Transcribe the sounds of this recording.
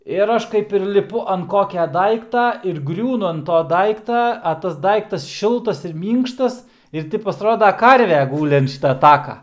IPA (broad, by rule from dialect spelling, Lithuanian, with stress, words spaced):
ɪr ˈɐʃ kɐɪp ɪr lʲɪˈpʊ ɐnt ˈkoːkʲɛ ˈdɐɪktɐ ɪr ˈɡrʲuːnʊ ɐnt ˈtoː ˈdɐɪktɐ ɐ ˈtɐs ˈdɐɪktɐs ˈʃʲɪlˠtɐs ɪr ˈmʲiːŋkʃtɐs ɪr ˈtʲɪ pɐsˈroːdɐ ˈkɐrʲʋʲɛ ˈɡuːlʲɪ ɐnt ˈʃʲiːtɐ ˈtɑːkɐ